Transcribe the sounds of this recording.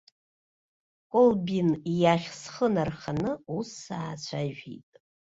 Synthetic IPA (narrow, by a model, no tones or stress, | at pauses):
kʷʼʊlbinijaχʲsχənarχanɨusːaːt͡ɕʷʰaʒᶣḭtʼ